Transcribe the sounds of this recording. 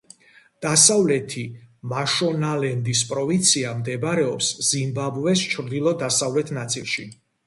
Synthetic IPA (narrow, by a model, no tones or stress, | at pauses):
d̪̥asavlɛt̪ʰimaʃɔnalɛnd̪ispʼɾɔvint̪sʰiamd̪ɛbɾɛɔpszimbabvɛst͡ʃʰɾd̪ilˠɔd̪asavlɛt̪ʰnat̪sʼḭlˠʃḭ